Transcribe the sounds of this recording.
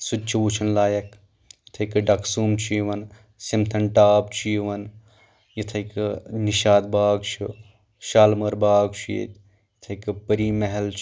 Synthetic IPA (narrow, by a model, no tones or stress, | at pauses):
sud̪̚t͡ʃʰiʋut͡ʃʰɐnlaːjɐk | jɐt̪ʰɐjkɨɖɐksuːmt͡ʃʰiʋɐn | simt̪ʰɐnʈaːbt͡ʃʰiʋɐn | jɐt̪ʰɐjkɨniʃaːd̪baːɡt͡ʃʰu | ʃaːlmɐɾbaːɡt͡ʃʰujḛt̪ | jɐt̪ʰɐjkɨpɐɾiːmeɦɐlt͡ʃʰ